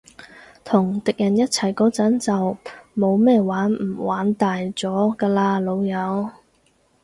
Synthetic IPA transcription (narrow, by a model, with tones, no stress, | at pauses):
t̪ʰʊ˨˩ŋt̪ɪ˨k̚jɐ˨˩njɐ˥t̚t͡sʰɐ˨˩jkɔː˨˥t͡sɐ˨˥nt͡sɐ˨wmo˨˧wmɛː˥waː˨˥nm̩˨˩waː˨˥nt̪aː˨jt͡sɔː˨˥kaː˧laː˧lo˨˧wjɐ˨˧w